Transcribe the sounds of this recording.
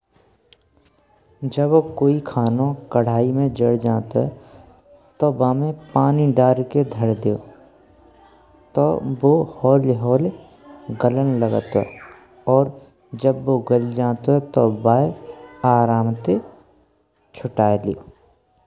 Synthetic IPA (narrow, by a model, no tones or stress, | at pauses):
d͡ʒəbokoːikʰaːnõkəɽ̤aːimẽd͡ʒəɽd͡ʒãːt̪oɦɛ | t̪obaːmẽpaːniɖaːɾked̪ʱəɽd̪eːoː | t̪o̰bohɔːlɦɔːl | ɡələnləɡət̪oɦɛ̰ | ɔːɾ | d͡ʒəbːoɡəld͡ʒaːt̪oɦɛt̪obaːeaːɾaːmt̪e | t͡ʃʰʊʈaːeleo̰ː